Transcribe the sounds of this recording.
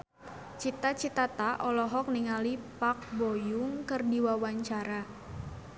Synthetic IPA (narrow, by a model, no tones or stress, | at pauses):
t͡ʃit̪at͡ʃit̪at̪aʔɔlɔɦɔk̚niŋalipak̚bojʊŋkərdiwawaɲt͡ʃaɾa